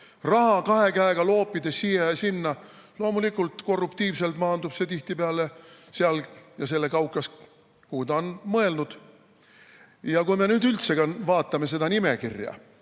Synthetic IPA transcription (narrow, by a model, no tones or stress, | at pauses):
rɑɦɑkɑɦe̞kæeɡ̥ɑlo̞ːpːˑid̪̥esijejɑsinːɑ | lo̞ːmulikːˑult̪ko̞rːupt̪iːvse̞lt̪mɑːnd̪ub̥se̞t̪iht̪ipeɑleseɑljɑse̞lːe̞kɑwkːˑɑs | kuːd̪ɑonmɤe̞lnud̪̥ | jɑkujme̞nyːd̪ylt̪se̞ɡɑnvɑːt̪ːˑɑme̞s̬e̞d̪ɑnimekḭrjɑ̰